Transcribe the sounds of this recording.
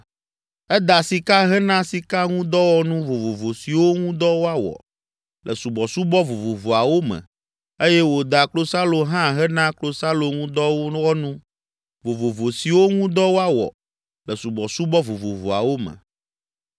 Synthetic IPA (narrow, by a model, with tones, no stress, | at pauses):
ɛ˦d̪a˨si˨ka˦ɦɛ˦nã˦si˨ka˦ŋũ˦d̪ɔ˦wɔ˦nũ˦vo˨vo˨vo˨si˨wo˦ŋũ˦d̪ɔ˦wo˦a˦wɔ̰˨ | lʔə˨su˨bɔ˨su˦bɔ˦vo˨vo˨vo˨a˨wo˦mɛ̰̃˨ | e˦jɛ˦wo˨d̪a˨klo˦sa˦lo˨ɦã˦ɦɛ˦nã˦klo˦sa˦lo˨ŋũ˦d̪ɔ˦wo˦wɔ˦nũ˦ | vo˨vo˨vo˨si˨wo˦ŋũ˦d̪ɔ˦wo˦a˦wɔ̰˨ | lə˨su˨bɔ˨su˦bɔ˦vo˨vo˨vo̰˨a̰˨wo˦mɛ̰̃˨